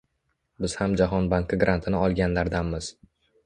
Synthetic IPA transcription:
bɪz̥hamd͡ʒaɦɒnbaŋkɪɡɾʔant̪ʰɪnɪɒlˠɡʲanlaɾd̪anmɪz̥

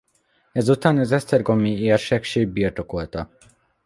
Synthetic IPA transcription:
ɛzut̪aːnɒzɛst̪ɛrɡo̞mːiiɛrʃɛkʃeːɡ̚biːrt̪okolt̪ɒ

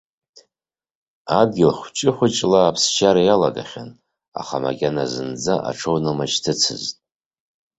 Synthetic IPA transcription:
ad̚ɡʲɪlχʷt͡ʃʼɪħʷʊt͡ʃʼlaːpʰst͡ʃʰaɾajalaɡaχʲan | a̰χama̰kʲʼanazɨnd͡zaʔa̰ʈ͡ʂʰownɨmat͡ʃtʰɨt͡sʰɨztʼ

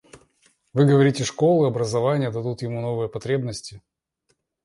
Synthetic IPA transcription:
vɨɡəvɐɾʲitʲɪʂko̞lˠɨɐbɾəzɐvanʲɪjəd̪ɐd̪ut̪jɪmuno̞vɨjəpɐt̪ɾʲe̞bnəsʲtʲɪ

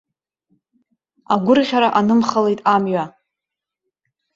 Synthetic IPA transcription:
aɡʷʊrʁʲaɾaʔanɨmχale̞jtʼamɥa

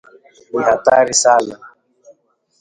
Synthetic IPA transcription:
wihataɾisaːna

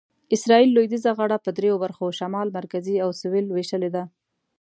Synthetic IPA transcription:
ɪsɾɑilːojd̪izaɣaɽapəd̪ɾejobaɾxoʃamɑlmaɾkaziawsʊwɪlweʃəled̪a

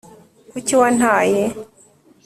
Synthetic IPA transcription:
kuciwan̥haːje

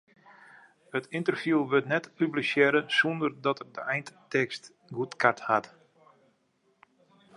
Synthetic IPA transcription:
hətɪntərfjulˠʋøtnɛtpyblisjɛɾəsundərdɔtərdəɛjnttɛkst | ɡutkʰathat

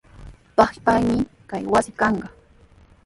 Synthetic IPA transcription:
pɑχpajmɪkajwasɪkɑɴɢɑ

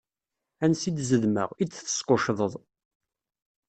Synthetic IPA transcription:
ænsid̪zəðmə̰ʁit͡sːθə̥sqoʃðˤəðˤ

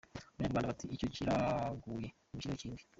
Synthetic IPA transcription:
maaːmbanaβatʰiico̞ciɾaɡuje̞ | mut͡ʃiɾaciːndi̥

